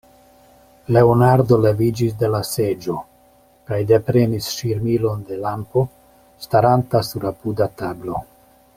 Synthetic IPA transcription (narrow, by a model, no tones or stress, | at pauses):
le̞onaɾd̪o̞le̞vid͡ʒis̬d̪e̞lase̞d͡ʒo̞ | kajd̪e̞pɾe̞nisʃiɾmilo̞nd̪e̞lampo̞ | staɾantasuɾapudat̪ablo̞